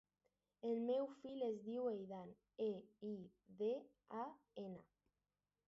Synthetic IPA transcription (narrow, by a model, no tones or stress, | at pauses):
elmewfilezðiwejðan | ei | ðe | a | ena